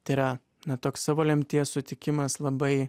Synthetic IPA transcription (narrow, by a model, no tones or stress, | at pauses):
t̪ɐɪɾɐ | nɐt̪oːkssɑːʋoːlʲɛmʲt̪ʲiɛssʊt̪ʲɪkʲɪmɐslˠɐbɐɪ